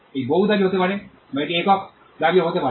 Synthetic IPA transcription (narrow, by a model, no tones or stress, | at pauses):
ejboɦut̪d̪aɾijoɦot̪epaɾe | bajʈ̪iekɔk | d̪aɾijoɦot̪epaɾe